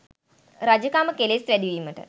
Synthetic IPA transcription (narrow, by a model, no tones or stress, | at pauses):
ɾad͡ʒəkaːməkelest̪ʋæɖiʋiːməʈə̰